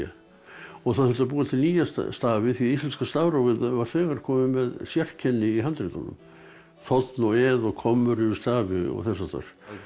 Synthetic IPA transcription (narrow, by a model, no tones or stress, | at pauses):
a | ɔɣθaðhʏlt̪ap̬uːat̪ʰɪlniːjasst̪aːvɪθiist̪ɛnskast̪avɾɔwvɪðvaɾ̥θɛːɣaɾ̥kʰɔːmɪmɛðsjɛr̥cʰɛnːɪiɦant̪ɾit̪a̰nʏ̰m | θɔt̪nɔɛðɔɣkʰɔmːʏɾʏɾʏst̪aːvɪɔ̰ɣθɛsːat̪ʰa̰ɾ̥